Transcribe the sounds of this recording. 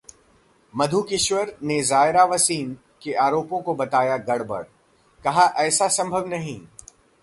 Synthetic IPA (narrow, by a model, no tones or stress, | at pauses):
mɐd̪ʱukɪʃwəɾnezaːɪɾaʋɐsiːn | keʔaːɾoːpõkobɐt̪aːjaɡɐɽ̤bɐ̰ɽ | kɐɦaʔɛːsasɐ̃mbʱəʋnɐɦĩː